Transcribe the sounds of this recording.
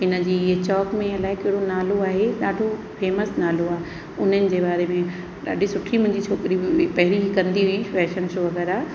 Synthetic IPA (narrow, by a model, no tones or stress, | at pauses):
ɦɪnəd͡ʑiːɪɦt͡ɕɔːkmẽɐlaːɪkɐɦɪɽonaːloaːɦeɗaːɖʱo | feːməsnaːloaː | ʊn̤ənɪ̆d͡ʑeːbaːɾemẽ | ɗa̰ːɗʱisʊʈʰimʊ̃ɦɪ̃ɲd͡ʑiːt͡ɕʰoːkɾipɐɦɪɾikɐ̃nd̪iifɛːʃənʃoʋɐɣɛːɾa